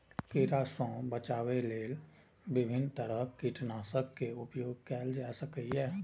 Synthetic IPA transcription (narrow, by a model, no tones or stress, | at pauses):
kiɾasɔ̃ːbət͡ʃaːweleːl | bɪbʱɪnt̪əɾəkiʈnaːsəkːeʊpjoːɡ̚kɛːld͡ʒaːsəkəɛː